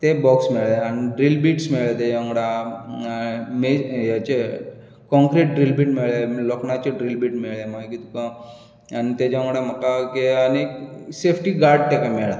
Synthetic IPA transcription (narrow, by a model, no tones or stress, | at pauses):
t̪ebɔksmeɭeaniɖɾilbiʈsmeɭet̪ejɔ̃ŋɡɽa | mejat͡ɕe | kɔ̃ŋkɾeʈ̚ɖɾilbiʈmeɭeloknat͡ɕeɖɾilbiʈmeɭemakit̪kã | anit̪ed͡ʒɔ̃ŋɡɽaməkakeaneksepʰʈiɡaɾɖ̚t̪ekameɭa